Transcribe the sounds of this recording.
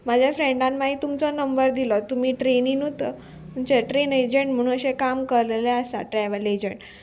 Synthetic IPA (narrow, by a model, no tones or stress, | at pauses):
mad͡ʑʱjafɾeɳɖãnːaɦit̪umt͡sɔnəmbəɾd̪ilɔt̪umiːʈɾeniːnut̪ə | t̪umt͡ɕeʈɾened͡ʑəɳʈm̤əɽ̃ũnəɕɛkamkəɾleleəsa̰ʈɾɛʋəled͡ʑəɳʈ